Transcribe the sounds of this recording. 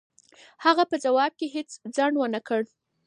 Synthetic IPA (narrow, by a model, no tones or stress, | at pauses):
haɣapəd͡zawɑb̚keɦet͡sd͡zaɳɖwənakəɽ